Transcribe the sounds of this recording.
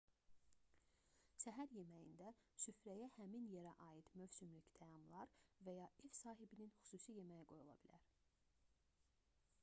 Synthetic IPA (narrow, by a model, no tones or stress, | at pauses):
ʃæɦæɾje̞mæjḭnd̪æsyfɾæjæhæminjeɾæʔɑːjid̪̥møvsymlyct̪ʰæjɑmlˠɑɾvæjɑʔefsɑːɦibininxy̥suːsije̞mæjæɡo̞julˠɑ̰bilæ̰ɾ̥